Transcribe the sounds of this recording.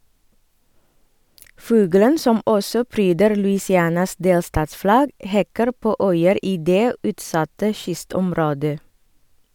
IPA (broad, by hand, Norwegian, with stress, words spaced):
ˈfʉːɡələn ˈsɔm ˈɔsɔ ˈpɾyːdəɾ lʉɪsɪˈæːnɑs ˈdeːlstɑːtsˌflɑɡ ˈhɛkəɾ ˈpoː ˈœʏəɾ ˈiː ˈdeː ˈʉːtˌsɑtə ˈʃʏstɔmˌɾoːdə